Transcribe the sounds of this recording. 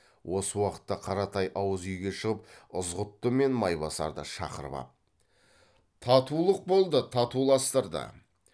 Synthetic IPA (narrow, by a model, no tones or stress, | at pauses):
wʔo̞səwɑqə̥t̪ːɑqʰɑɾɑt̪ɑjʔɑwəzʏjɡʲe̞ʃəʁəp̚ʊzʁʊt̪ːəme̞nmɑjbɑsɑ̰ɾd̪ə̰ʃɑ̰qə̰ɾbɑ̰p̚ | t̪ʰɑt̪ulˠəq̚bo̞lˠd̪ət̪ʰɑt̪ulˠɑst̪əɾd̪ə̰